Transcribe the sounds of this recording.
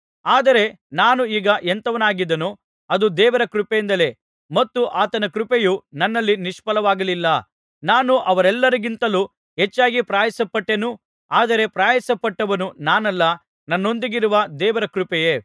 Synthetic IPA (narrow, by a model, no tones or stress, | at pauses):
aːd̪ɐɾe̞ | naːnuiːɡɐʔent̪ɐʋɐnaːɡid̪ːɐnu | ɐd̪ud̪ɛːʋɐɾɐkɾupejind̪ɐle̞ | mɐt̪ːuʔaːt̪ɐnɐkɾupejunɐnːɐlːiniʂpɐlɐʋaːɡɐlilːɐ | naːnuʔɐʋɐɾɛlːɐɾiɡint̪ɐlu | ɦet͡ʃːaːɡipɾaːjɐsɐpːɐʈːenu | aːd̪ɐɾe̞pɾaːjɐsɐpːɐʈːɐʋɐnunaːnɐlːɐ | nɐnːo̞nd̪iɡiɾuʋɐd̪ɛːʋɐɾɐkɾupɛje